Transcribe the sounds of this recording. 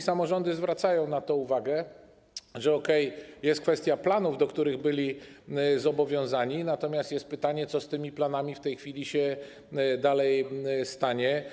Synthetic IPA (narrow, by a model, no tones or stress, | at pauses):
samɔʐɔnd̪ɘzvɾat̪sajɔ̃w̃nat̪ɔ̃uvaɡɛ | ʐɛɔkɛjjɛst̪̚kfɛst̪ʲjaplanuvd̪ɔkt̪uɾɘɣbɘlʲi | zɔbɔvʲjɔ̃w̃zaɲinat̪ɔmʲjast̪jɛst̪̚pɘt̪aɲɛt̪sɔst̪ɘmʲiplanamʲift̪ɛjxfʲilʲiɕɛ | d̪alɛjst̪aɲɛ